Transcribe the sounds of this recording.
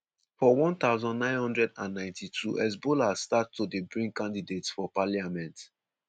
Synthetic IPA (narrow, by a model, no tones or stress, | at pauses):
fɔwɔ̃nt̪aʊzɔ̃ndnãɪ̃nhɔ̃ndɹɛdãnːãɪ̃ntʰitʰuʔɛs̬bolastattːudebɹĩŋkãndidetsfɔpaliamɛ̃nt